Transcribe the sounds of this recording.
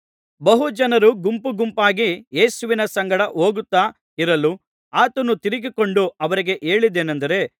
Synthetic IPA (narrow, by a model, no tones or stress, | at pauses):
bɐɦud͡ʒɐnɐɾuɡumpuɡumpaːɡijeːsuʋinɐsɐŋɡɐɽɐʔɦo̞ːɡut̪ːaː | iɾɐlu | aːt̪ɐnut̪iɾiɡikoɳɖuɐʋɐɾiɡe̞ʔe̞ːɭid̪eːnɐnd̪ɐɾe̞